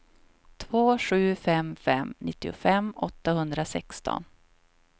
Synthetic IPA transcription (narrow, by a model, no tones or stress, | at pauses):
t̪ʰvoːɧʉ̟ːfɛmfɛmnɪt̪ːɪʊ̰fɛmɔt̪ːahɵnd̪ɾasɛkst̪ɔ̰n